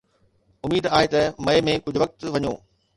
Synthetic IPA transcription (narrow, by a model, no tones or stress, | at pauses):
ʊmiːd̪aːɦet̪ɐmɐemẽkʊd͡ʑʱʊʋɐk̚t̪ʋɐɲoː